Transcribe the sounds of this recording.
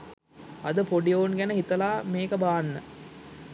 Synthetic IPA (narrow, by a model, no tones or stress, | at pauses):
ɐd̪əpoɖijoːnɡænəɦit̪ɐlaːmeːkəbaːanːə